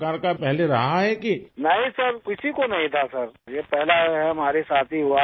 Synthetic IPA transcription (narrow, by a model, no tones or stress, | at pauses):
kaːɾkapɛɦleɾɐɦaɦɛkinɐɦĩsɐɾkɪsikonɐɦĩt̪ʰasɐɾjepɛɦlaɦɛɦɐmaːɾesaːt̪ʰiɦʊa